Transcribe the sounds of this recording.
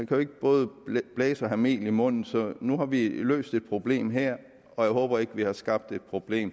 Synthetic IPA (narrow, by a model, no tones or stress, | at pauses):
ikʰæjo̝eɡ̥əb̥ɔ̽ːð̞̩ˠb̥lɛːsɒ̽ɦæme̝̰ːlimɔ̽n̰n̩sɒ̽nuhɑ̈ʋilø̰ːsd̥e̝d̥̚pʰʁo̝b̥le̝̰ːmɦeɐ̰ | ɒ̽jɑ̈ɪɦɔ̽ːb̥ɐe̝ɡ̥ʋihɑ̈sɡ̥ɑ̈b̥̚d̥e̝d̥̚pʰʁo̝b̥le̝̰ːm